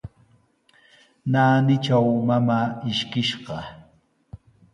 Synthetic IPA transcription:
naːnɪt͡ʃawmamaːɪʃkɪʃɢɑ

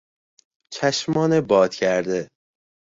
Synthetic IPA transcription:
t͡ʃʰæʃmɒːnebɒːd̪̥cʰæɾd̪e

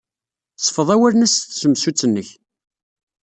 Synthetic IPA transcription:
sˤə̥fəðˤæwælnæsθsəmsut͡sːənːəç

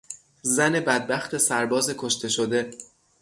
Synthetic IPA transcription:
zæne̞bæd̪̚bæxt̪ʰe̞sæɾbɒːzekʰoʃt̪ʰe̞ʃod̪e̞

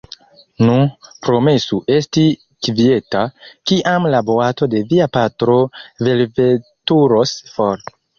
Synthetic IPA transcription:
nupɾo̞me̞suʔe̞sti | kvie̞takiʔamlaboato̞de̞viapatɾo̞ve̞lve̞tuɾo̞sfoɾ

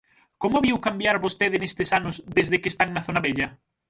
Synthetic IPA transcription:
komoβiwkambjaɾβost̪eðenest̪esanʊzðezðekeːst̪aŋnɐθonɐβeʎɐ

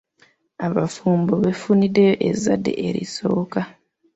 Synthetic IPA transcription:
aβafuːmboβefunideʔezːadːe̞̰ʔeɾḭso̞̰ːka

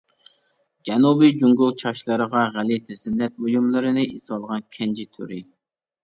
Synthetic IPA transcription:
d͡ʒɛnubid͡ʒuŋɡulˠt͡ʃʰɑʃlˠɨɾəʁɑʁælɪt̪ʰɛsɪnːɛt̪̚ojumlˠɨɾɨnɨʔisɑlˠʁɑnkʲʰɛnd͡ʒit̪ʰy̰ɾɪ

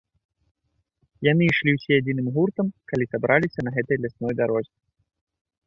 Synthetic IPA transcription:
jan̪ɨiʂlʲiwsʲɛad͡zʲinɨmɣurt̪ɐmkalʲisabɾʔalʲisʲɐnɐɣɛt̪ɐjlʲasnɔjd̪aɾɔzʲi

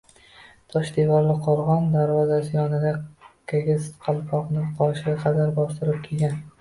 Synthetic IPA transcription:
t̪ʰɒʃd̪evɒɾlɪqʰoɾʁɒnd̪aɾvɒzasɪjɒnɪd̪akʲʰaɡʲɪzqʰɑlˠpʰɒqnɪqʰɒʃɪaqʰɑd̪aɾbɒst̪ɪɾɪp̚kʲʰelɡʲan

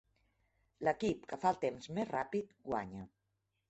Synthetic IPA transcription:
ləkipkəfalˠt̪emzmezrapit̪ɡwa̰ɲə

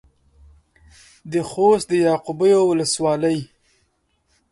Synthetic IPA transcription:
d̪əxost̪̚d̪əjɑqubəjowʊləswɑləj

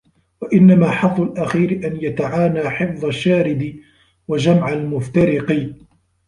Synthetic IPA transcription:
waʔɪnːamaːħɑðˤːʊlʔaxiːɾɪʔanjat̪aʕaːnaːħɪfðˤaʃːaːɾɪd̪ɪ | wad͡ʒamʕalmʊft̪aɾɪqi

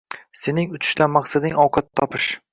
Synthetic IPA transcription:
se̞nɪŋʊt͡ʃ̪ʰɪ̥ʃt̪amɑqsad̪ɪŋɒwqʰɑt̪ʰːɒpɪʃ

